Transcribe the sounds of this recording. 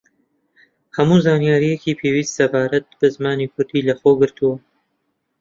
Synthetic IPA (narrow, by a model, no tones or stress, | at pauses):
hɐmuːzaːnjaːɾijekiːpʰeːwiːst̪sɐbaːɾɐt̪̚b̥ɨzmaːniːkʰʊɾd̪iːlɐxoːɡɨɾt̪uwɐ